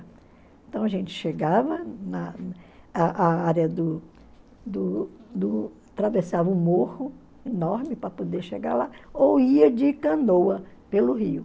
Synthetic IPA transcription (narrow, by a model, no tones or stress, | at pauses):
ẽnt̪ɐ̃w̃ɐʒẽnt͡ʃɪ̥ʃeɡavɐnɐ | aʔaaɾjɐd̪ʊ | d̪ʊd̪ʊ | t̪ɾavesavɐʊmohʊ | enɔɾmɪpɾɐpod̪eɾʃeɡa̰ɾlaowiɐd͡ʒɪkɐ̃nowɐpelʊɦiʊ